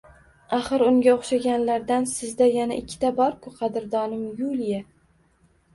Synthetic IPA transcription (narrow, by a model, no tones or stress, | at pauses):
aχɨɾʊŋɡʲaoχʃaɡʲanlaɾd̪ansɪzd̪ajana̰ʔɪkʲʰːɪ̥t̪ʰabɒɾkʰʊqʰɑd̪ɪɾd̪ɒnɪmjulˠja